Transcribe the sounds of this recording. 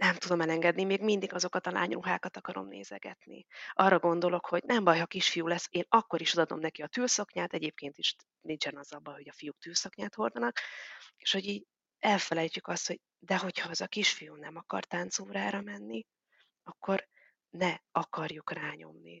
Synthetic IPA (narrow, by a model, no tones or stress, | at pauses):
nɛmt̪ud̪o̞mɛlɛŋɡɛd̪nimeːɡmind̪iɡɒzo̞kɒt̪ɒla̰ːɲruɦaːkɒt̪ɒkɒɾo̞̰mnḛːzɛ̰ɡɛ̰t̪nḭʔɒrːɒɡo̞n̪d̪o̞lo̞kho̞ɟnɛmbɒjhɒkiʃfijuːlɛsːeːnɒkːo̞ɾiʃod̪ɒd̪o̞̰mnɛkiɒt̪yːlsɒkɲaːt̪ɛɟeːp̚keːnt̪iʃ | nint͡ʃɛnɒzːɒbɒjho̞ɟɒfijuk̚t̪yːlsɒkɲaːt̪ho̞rd̪ɒnɒkeːʃho̞ɟiːɟ | ɛlfɛlɛjt͡ʃykɒst̪ho̞ɟ | d̪ɛɦo̞chɒɛzɒkiʃfijuːnɛmɒkɒ̰rt̪ant̪soːɾaːɾɒmɛnːi | ɒkːo̞r | nɛɒkɒrjukraːɲo̞̰mnḭ